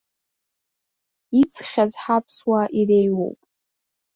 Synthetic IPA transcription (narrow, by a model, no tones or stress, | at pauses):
it͡sʰʼχʲazħapʰswaʔirejwo̰wpʼ